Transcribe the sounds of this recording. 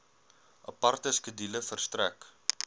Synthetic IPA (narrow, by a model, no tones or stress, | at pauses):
ʔɐpɐrtəskədiləfərstræ̰k